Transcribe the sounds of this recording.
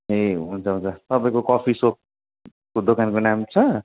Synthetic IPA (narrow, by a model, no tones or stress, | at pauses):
eɦunt͡sʰʌɦunt͡sʰʌt̪ʌpãĩkokʌpʰisok̚ | kod̪okankonamt͡sʰʌ